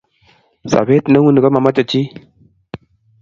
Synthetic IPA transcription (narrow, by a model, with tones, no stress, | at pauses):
sa̰˨be˦tna˦wu˦ni˨ka˦ma˨ma˦t͡ʃa˨t͡ʃi˦